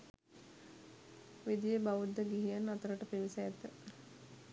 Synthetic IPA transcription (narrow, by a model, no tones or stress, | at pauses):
ʋid̪ijəbaʋud̪ːəɡiɦijanːat̪əɾəʈəpeʋisajɛt̪ə